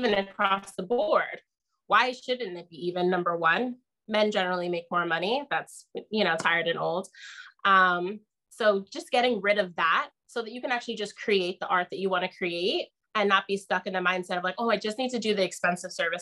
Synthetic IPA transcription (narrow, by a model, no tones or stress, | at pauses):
vɨ̃nɨkʰɹ̥ɔsðəbɔɹd̥ | waɪʃʊdⁿn̩ðɨt̚b̥iivɨ̃nːʌ̃mbə˞wʌ̃n | mɛ̃nd͡ʒɛnə˞l̩ˠimeɪk̚mɔɹmʌniðætsjɨñoʊtʰaɪə˞ɾɨ̃noʊlˠd̥ʔʌ̃m | soʊd͡ʒʌsɡ̥ɛɾɪ̃ŋɹɪɾʌvðæt̚soʊðɨt͡ʃɨkɨ̃næk̚t͡ʃʉl̩ˠid͡ʒʌskʰɹ̥ieɪt̪̚ðiʔɑɹt̪̚ðɨt͡ʃɨwɑ̃ñɨkʰɹ̥ieɪt̚ | ɨ̃nːət̚b̥istʌkɨ̃nðɨmãɪ̃nd̥sɛɾʌvlaɪkoʊaɪd͡ʒʌstnid̚tɨdɨðiɨkspɛ̃nsɨv̥sɜ˞vɨs